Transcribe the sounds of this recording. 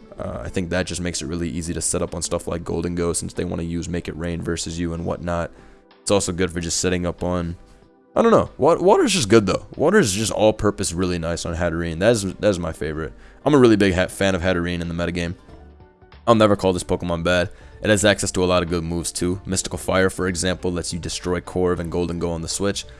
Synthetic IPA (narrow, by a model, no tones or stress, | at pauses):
ʌ̰a̰ɪθɪ̃ŋk̚ðɨt̚d̥ʒ̥ʌs̚meɪksɨt̚ɹɪlˠiʔiziɾɨsɛɾʌpn̩stʌfla̰ɪk̚ɡ̥o̰ʊlˠdⁿn̩ɡoʊsɪ̃nsðeɪwɑ̰̃ñɨjʉzmeɪkɨt̚ɹẽɪ̃nvɜ˞sɨzjɨə̃nwʌ̰tⁿnət̚ | ɪtsɔlˠsoʊɡʊd̥fə˞d͡ʒʌstsɛɾɪ̃ŋʌpn̩ | aɪdõʊ̃nːoʊwʌt̚wɑɾə˞zd͡ʒʌsɡ̥ʊd̪̚ðoʊwɔɾə˞zd͡ʒʌstɔ̰lˠpʰɜ˞pɨsɹɪlˠinaɪsn̩ɦæɾə˞ĩnðɨɾzðæɾɨzmaɪfeɪvə˞ɨ̰t̚ãɪ̃məɹɪlˠibɪɡɦæfæ̃ñʌv̥ɦæɾə˞ĩnɨ̃nðəmɛɾɨɡẽɪ̃m | ãɪ̃mnɛvə˞kʰɔlˠd̪̚ðɪspʰʊkə̃m̩ə̃n̩bɛdɨt̚hɨzæksɛstʰəəlɑɾʌvɡʊd̚muvz̥tʰʉmɪstɨ̥kl̩ˠfaɪə˞fə˞ɨɡzæ̃mpl̩ˠlɛtsɨdɨstɹ̥ɔɪkʰɔɹvɨ̃nɡoʊlˠdⁿn̩ɡoʊə̃nðəswɪt͡ʃ